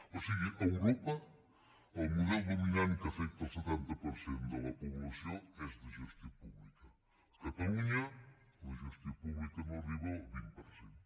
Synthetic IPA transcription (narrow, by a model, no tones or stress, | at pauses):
osiɣɪʔewɾopa | elmuðelbemiɲanikafek̚t̪aset̪ent̪apoɾsjent̪olapoβlasjoŋesd̪eʒust̪ipuβlika | kat̪aluɲa | leʒust̪ipuβlikanoriβoβimpoɾsen